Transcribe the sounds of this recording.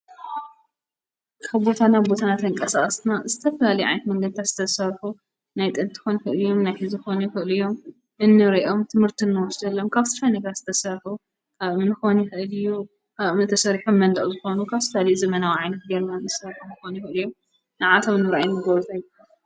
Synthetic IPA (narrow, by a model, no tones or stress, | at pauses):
kʰaβbo̞t̪ʰanaβbot̪ʰanat̪ʰɐɨŋkʼɐsaʔʼɐst̪ɨnazɨt̪ʰɐfɐlalijʕa̰jnɐt̪mɐŋɡɐd̪̚t̪ʰat̪z̥ɨ̥t̪ʰɐsɐɾħu | najt̪ʼɨnt̪ʰɨ̥xonuxɨʔljomnajħɨzuxonuxɨʔlɨjo̞m | ʔɨnːɨɾiʔo̞mt̪ʰɨmhɨɾt̪ʰinːɨwɔsd̪ɐlːomkʰaβt̪ʰɨ̥fajnɐɡɐɾz̥ɨt̪ʰɐsɐɾħu | kʰaβɨnɨxonuxɨʔɨlɨju | kaβmɨnɨt̪ʰɐsɐɾiħomːɐnd̪ɐχʼzɨxo̞nukʰaβsɨfalijuzɐmɐnawiʕajnɐt̪̚ɡɐɾnanɨsɐɾħumɨxonuxɨɨlɨjom | nɨʕat̪ʰomɨnːɨɾajumːɨɡɐβɾut̪ʰajːu